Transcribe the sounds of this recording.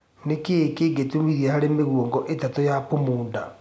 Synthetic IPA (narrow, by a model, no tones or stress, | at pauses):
nekekeːɡetumiðiɛhaɾemeɣwoŋɡɔʔetatojapomuːnda